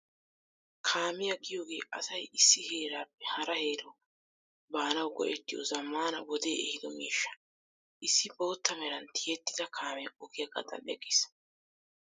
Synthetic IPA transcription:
kʰaːmɪjɐɡɪjo̞ːɡe̞ːʔɐsɐjɪsːɪhe̞ːɾaːpːɛhɐɾɐhe̞ːɾoː | baːnɐwɡɔ̰ʔɛt̪ːɪjɔ̰zɐmːaːnɐwɔd̪e̞ːɛhɪd̪ɔmiːʃːɐ̥ | ʔɪsːɪbo̞ːt̪ːɐmɛɾɐnt̪ɪjɛt̪ːɪ̥d̪ɐkʰaːmɛɐɔɡɪjɐɡɐ̰d̪ɐ̰nɛɡis

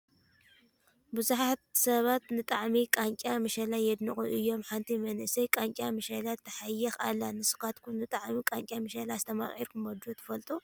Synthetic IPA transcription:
bɨzuħat̪sɐβat̪nɨt̪ʼaʕmikʼaŋkʲʼjamɨʃɐlajɛd̪nɨχʼuʔɨjːo̞mħant̪ʰimɐnɨsɐjkʼaŋkʲʼjamɨʃɐlat̪ʰːɐħajːɐxalːanɨsɨ̥kat̪kʰunɨt̪ʼaʕmikʼaŋkʲʼjamɨʃɐlaːst̪ʰɐma̰χʼḭɾkʰumɐd̪ot̪ʰɨ̥fɐlt̪ʼu

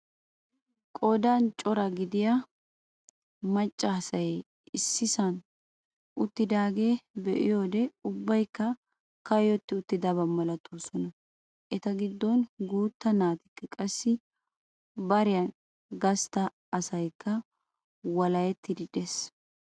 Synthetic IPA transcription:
kʼod̪ant͡ʃʼɔɾɐɡɪd̪ɪja | mɐt͡ʃʼːasɐjɛ | ɪsːɪsɐn | ʊt̪ːɪd̪aːɡe̞ːbɛʔɪ̰jo̞ːd̪ɛʊbːɐjkːɐ | kɐjɔt̪ːɪʊt̪ːɪd̪ɐbɐmɐlɐt̪ʰoːsɔnɐ | ʔɛt̪ɐɡɪd̪ːɔnɡuːt̪ːɐnaːt̪ɪkːɪkʼɐsːɪ | bɐɾɪjɐn | ɡɐst̪ɐː | sɐjkːɐ | wɐlɐjɛt̪ːɪd̪ɪd̪es

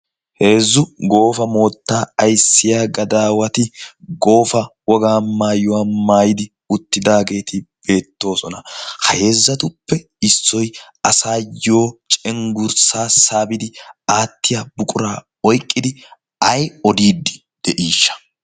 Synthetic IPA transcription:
he̞ːzːʊɡo̞ːfɐmo̞ːt̪ːaːɐjsːɪjaːɡɐd̪aːwɐt̪ɪɡo̞ːfɐwɔɡaːmaːjʊwaːmaːjɪd̪ɪ | ʊt̪ːɪd̪aːɡe̞ːt̪ɪb̥e̞ːt̪ːo̞ːsɔnɐhɐhe̞ːzːɐt̪ʊpːɛ | ɪsːɔj | ɐsaːjo̞ːt͡ʃʼɛŋɡʊɾsaːsaːbɪd̪ɪaːt̪ːɪjaːbʊkʼʊɾaː | ɔjkʼːɪd̪ɪ | ɐjɔd̪iːd̪ːɪ̥ | d̪̥ɛʔiːʃːɐ̥

